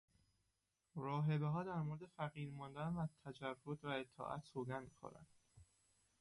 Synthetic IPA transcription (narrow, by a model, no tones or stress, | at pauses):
ɾɒːɦe̞beɦɒːd̪æɾmoɾed̪e̞fæɣiːɾmɒnd̪ænvæzt̪ʰæd͡ʒærːot̪væet̪ʰːɒ̰ːʔæ̰t̪soːɡænmixo̰ɾæ̰nd̪̥